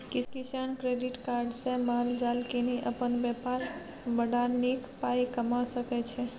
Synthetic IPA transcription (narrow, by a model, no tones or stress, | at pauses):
kikisankɾeɖiʈkaɾɖsẽmaɾd͡ʒalkineʔəpənbɛpaɾ | bəɖanikpajkəmasəkɛt͡ʃʰɛ